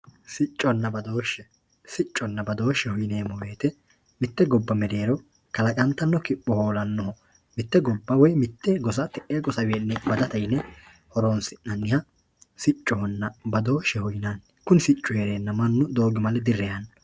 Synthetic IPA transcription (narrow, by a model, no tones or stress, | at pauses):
sɪt͡ʃʼːɔnːɐbɐd̪oːʃːɛ | sɪt͡ʃʼːɔnːɐbɐd̪o̞ːʃːɛhʊjɪneːmɔweːt̪ɛ | mɪt̪ːɛɡɔbːɐmɛd̪e̞ːɾɔ | kɐlɐkʼɐnt̪ːɐnːɔkɪpːɔhoːlɐnːɔhɔ | mɪt̪ːɛɡɔbːɐwɔjmɪt̪ːɛɡɔs̬ɐt̪ɛʔeɡɔsɐweːnːɛbɐd̪ɐt̪ɐjnːɛ | hɔɾoːnsɪnːɐnːɪjɐ | sɪt͡ʃʼːɔhɔnːɐbɐd̪o̞ːʃɛhʊjɪnɐn | kʊnɪsɪt͡ʃʼːʊheːɾeːnːɐmɐnːʊd̪o̞ːɡɪmɐlɛd̪ɪrːɛjɐnɐ